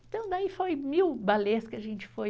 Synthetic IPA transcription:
ɪ̃t̪ɐ̃w̃d̪aifojmiwbaleɐskɪɐʒẽnt͡ʃɪ̥foj

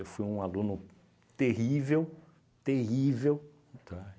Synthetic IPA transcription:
efujũalũnʊ | t̪eɦivew | t̪ehivew | t̪ʰa

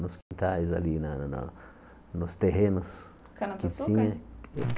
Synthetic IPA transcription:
nʊskĩnt̪aɪza̰linan̰ | nʊst̪eɦenʊs | kɪt̪ĩɲɐ̃k

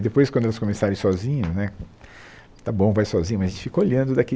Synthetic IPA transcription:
d̪epojskwɐ̃d̪ʊɛlɐskõmesaɾẽj̃sɔzĩɲʊnɛ | t̪abõvajsɔzĩɲɐmɐzɐẽt͡ʃɪ̥fi̥koaʎɐ̃nd̪ʊd̪ɐke

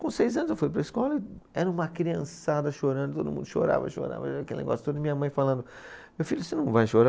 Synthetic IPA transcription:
kõsejzɐ̃nzewfujpɾɐiskɔlɐɪɛɾɐ̃ũmɐkɾiɐ̰̃sad̪ɐʃoɾɐ̃nd̪ʊt̪o̰d̪ʊmũnd̪ʊʃo̰ɾa̰vɐ̰ʃo̰ɾa̰vɐɐkelɪnḛɡɔ̰sj̥t̪od̪mĩɲɐmɐ̃j̃falɐ̃nd̪ʊ | mewfiʎʊsɪnɐ̃w̃vajʃoɾa

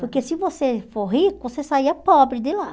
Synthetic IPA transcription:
poɾkesɪvosefoɦikʊosesaiɐpɔbɾɪd̪ɪla

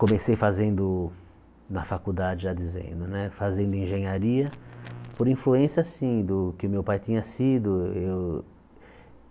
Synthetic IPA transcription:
kõmesejfazẽnd̪ʊ | nɐfakud̪ad͡ʒɪad̪izḛ̃nd̪ʊnɛfazẽnd̪ʊĩʒẽɲaɾiɐpoɾĩfluẽsjasĩd̪ʊkɪʊmewpajt̪ĩɲɐsid̪ʊew

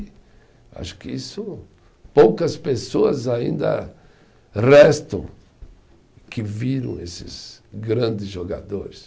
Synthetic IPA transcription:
a̰ʃʊ̥kɪisʊ | powkɐspesoɐzaḭ̃nd̪ɐ̰ | rɛst̪ɐ̃w̃ | kɪviɾɐ̰̃w̃ḛsɪ̰zɡɾɐ̃d̪ɪzʒoɡa̰d̪oɾɪs

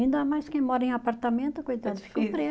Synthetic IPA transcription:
ĩnd̪ɐamajskẽj̃mɔɾɐẽapaɾt̪ɐmẽnt̪ʊkojt̪ɐ̃d̪fi̥kipɾe

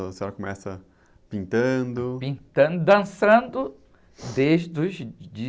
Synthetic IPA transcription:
seɔɾɐkomɛsɐ | pĩnt̪ɐ̃nd̪ʊpĩnt̪ɐ̃d̪d̪ɐ̃sɐ̃nd̪ʊ | d̪eʒd̪ʊzd͡ʒi

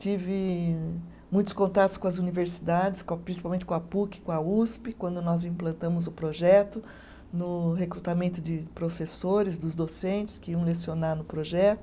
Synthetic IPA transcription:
t͡ʃivɪ | mũj̃t̪ʊ̥skõnt̪at̪ʊskõɐzuniveɾsid̪ad͡ʒɪskõpɾĩsipawmẽnɪ̥kõapukɪ̥kõauspɪkwɐ̃nd̪ʊnɔzĩplɐ̃nt̪ɐ̃mʊzʊpɾoʒɛt̪ʊ | nʊɦekɾut̪amẽnt̪ʊd͡ʒ̪ɪpɾofesoɾɪzd̪ʊzd̪osẽnt͡ʃ̪ɪ̥skɪiɐ̃w̃lesionanʊpɾoʒɛt̪ʊ

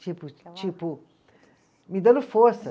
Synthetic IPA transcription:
t͡ʃipʊt͡ʃipʊ | mid̪ɐ̃nd̪ʊfoɾsɐ

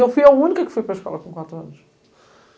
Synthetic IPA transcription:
ewfujɐunikɐkfujpɾɐʃkɔ̰lˠɐkõkwat̪ɾuɐnuʃ

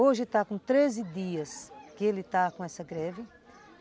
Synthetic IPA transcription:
oʒɪt̪akõt̪ɾezɪd̪iɐskɪelɪt̪akõɛsɐɡɾɛvɪ

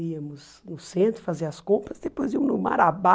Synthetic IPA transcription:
iɐmʊz | nʊsẽnt̪ɾʊfaziɐɐskõmpɾɐzd̪epojziɐ̃mʊnʊma̰ɾaba

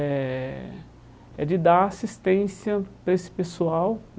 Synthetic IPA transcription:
ɛ | ɛ̰d͡ʒɪd̪aɾasist̪ẽsiɐpɾesɪ̥pesuawn

